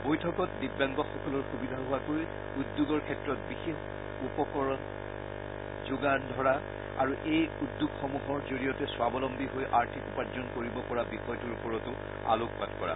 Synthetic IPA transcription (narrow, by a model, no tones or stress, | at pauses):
bojtʰɔkɔtbibːaŋɡɔxɔkɔlɔɹxubidʱaɦʊakoj | udːuɡɔɹkʰɛtɹɔtbixex | upɔkɔɹɔn | zuɡandʱɔɹa | aɹuʔejudːuɡxɔmuɦɔɹzoɹijɔtɛswabɔlɔmbʱiɦojʔaɹtʰikupaɹzɔnkoɹibɔpɔɹabixɔjtuɹupɔɹɔtʊ | a̰luk̚patkɔɹa̰